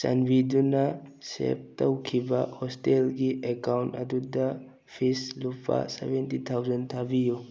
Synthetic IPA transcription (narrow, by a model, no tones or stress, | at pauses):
sa̰nbidunasḛp̚towkʰibahɔstelɡiʔekawntaduda | pʰislupʰa̰sḛbentitʰawzantʰabiju